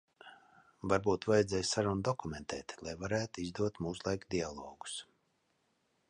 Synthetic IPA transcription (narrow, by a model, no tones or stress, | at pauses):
vaɾbuːt̪vajɛd̪zɛːjsaɾund̪ɔkumʲent̪ʰɛ̰ːt̪lˠajvaɾæːt̪uizd̪uɔt̪muːslˠajkd̪ialˠɔːɡu̥s